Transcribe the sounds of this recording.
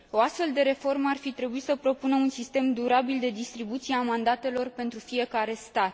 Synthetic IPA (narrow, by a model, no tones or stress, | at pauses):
o̞ast̪fe̞ld̪e̞ɾe̞fo̞rməarfit̪ɾe̞buit̪səpɾo̞punəunsist̪e̞md̪uɾabild̪e̞d̪ist̪ɾibut̪sieamand̪at̪e̞lo̞rpe̞nt̪ɾufije̞kaɾe̞st̪at̪